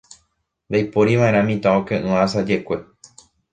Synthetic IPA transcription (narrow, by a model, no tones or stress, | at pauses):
d̪ajpoɾiʋãʔeɾ̃ãmĩt̪ãõkẽʔɨ̃asad͡ʒe̞kʷe̞